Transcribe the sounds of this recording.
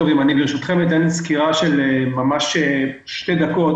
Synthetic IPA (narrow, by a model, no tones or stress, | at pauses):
ovimanidliʃot̪χemit̪enskiʁaʃelemamaʃe | ʃte̞d̪akot